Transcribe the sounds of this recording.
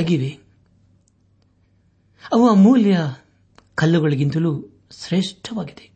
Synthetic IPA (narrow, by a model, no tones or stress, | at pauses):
ɐɡiʋe | ɐʋuaːmuːljɐ | kɐlːɐɡɐɭɐɡint̪ɐluː | sɾeːʂʈʰɐʋaːɡid̪e̞